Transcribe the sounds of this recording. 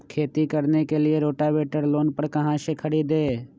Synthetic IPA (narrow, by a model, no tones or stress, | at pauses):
kʰeːt̪ikəɾnekelɪeɾoːʈaʋeːʈəɾloːnpəɾkɐɦãʃekʰəɽiːd̪eː